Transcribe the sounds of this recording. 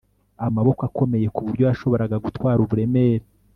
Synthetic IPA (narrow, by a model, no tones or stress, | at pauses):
amaβo̞kako̞me̞je̞kuβuɾɟo̞jaʃo̞βo̞ɾaɡaɡutwaːɾuβuɾe̞meɾe